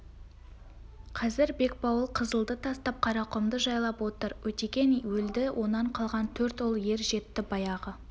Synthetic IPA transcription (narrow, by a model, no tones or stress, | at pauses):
qʰɑzɪɾbe̞k̚bɑwəlˠqʰəzəlˠd̪ət̪ʰɑst̪ɑp̚qʰɑɾɑqʊmd̪əʒɑjlˠɑpwo̞t̪əɾwɵt̪ekʲe̞nwɵld̪ɪwʔo̞nːɑɴqʰɑlˠʁɑnt̪ʰɵɾt̪olˠje̞ɾʒe̞t̪ːɪbɑjɑʁə